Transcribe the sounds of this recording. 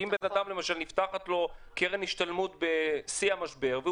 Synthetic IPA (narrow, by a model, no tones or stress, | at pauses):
imbe̞nad̪amlemaʃalnift̪aχat̪lo̞keʁenhiʃt̪almut̪be̞siamaʃbe̞ʁve